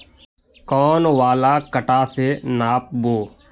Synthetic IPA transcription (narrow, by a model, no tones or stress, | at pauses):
kɔːnwaːlaːkəʈaːsenaːp̚boː